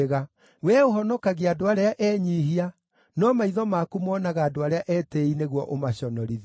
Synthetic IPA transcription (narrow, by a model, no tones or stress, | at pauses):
ɣa | wɛoɦɔnɔkaɣeadoaɾeaʔɛɲiːɦia | nɔmaiðɔmakumɔːnaɣaːdoaɾeaʔɛːteineɣwɔʔomaɕɔnɔɾiði